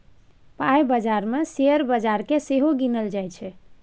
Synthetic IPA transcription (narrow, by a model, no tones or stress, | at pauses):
pajbəd͡ʒaɾmeseəɾbəd͡ʒaɾkeseɦoɡinəld͡ʒajt͡ʃʰɛ